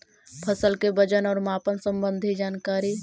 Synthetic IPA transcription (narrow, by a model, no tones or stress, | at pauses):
pʰəsəlkebəd͡ʒənɔːɾmaːpənsəmbənd̪ʱid͡ʒaːnkaːɾi